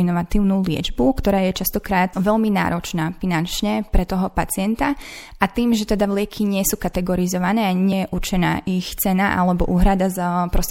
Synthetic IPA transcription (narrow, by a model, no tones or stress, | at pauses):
inɔʋat̪iːʊnulɪɛ̰d͡ʒbukt̪ɔɾaːjɛt͡ʃast̪ɔkɾaːt̪ʋɛlmina̰ːɾɔt͡ʃnaːfinant͡ʃɲɛpɾɛt̪ɔɦɔpat͡sɪɛnt̪aʔat̪iːmʒɛt̪ɛd̪aʋlɪɛkʰiɲɪɛsuːkat̪ɛɡɔɾizɔʋanɛːaɲɪɛjɛʔuɾt͡ʃɛna̰ːʔixt͡sɛnaʔa̰lɛbɔ̰ʔuːɦɾad̪azpɾɔs